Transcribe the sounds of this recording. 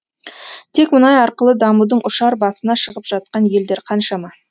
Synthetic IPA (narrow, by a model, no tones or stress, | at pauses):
t̪ʰe̞kmʊnɑjɑɾqəlˠəd̪ɑmud̪əɴʔʊʃɑɾbɑsənɑʃəʁəpʒ̥ɑt̪̚qɑnje̞ld̪e̞ɾqʰɑnʃɑmɑ